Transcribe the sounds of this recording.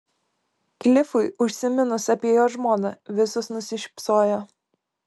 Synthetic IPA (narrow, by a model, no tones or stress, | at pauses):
klʲɪfʊɪʊʃʲsʲɪmʲɪnʊsɐpʲiɛjoːʒmoːnɐʋʲɪsʊsnʊsʲɪʃʲpsoːjo